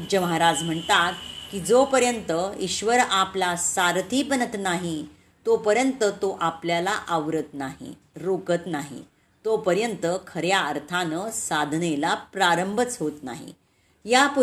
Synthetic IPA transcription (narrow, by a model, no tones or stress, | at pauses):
d͡ʑəməɦaɾad͡zm̤əɳt̪at̪̚kid͡zopəɾjənt̪əiɕʋəɾaplasaɾt̪ʰiːpənət̪naɦi | t̪opəɾjənt̪ət̪oʔapljalaʔəʋɾət̪naɦḭ | ɾokət̪naɦḭ | t̪opəɾjənt̪əkʰəɾjaəɾt̪ʰanəsad̪ʱnelapɾaɾəmbʱət͡sɦot̪na̰ɦḭ | japu